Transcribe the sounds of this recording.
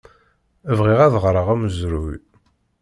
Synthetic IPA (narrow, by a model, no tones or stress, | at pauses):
əvʁiʁæðʁɾˤəʁæməzɾuj